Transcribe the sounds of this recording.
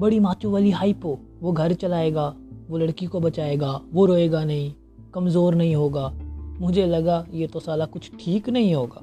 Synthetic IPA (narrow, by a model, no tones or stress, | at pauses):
bɐɽimaːt͡ʃuʋaːliɦaːiːpoː | ʋoɡʱɐɾt͡ʃɐlaːeːɡaːʋolɐɽkikobɐt͡ʃaːeːɡaːʋoɾoːeːɡanɐɦĩ | kɐmzoːɾnɐɦĩɦoːɡaːmʊd͡ʒʱelɐɡajet̪osaːlakʊt͡ʃʰʈʰiːknɐɦĩɦoːɡa̰ː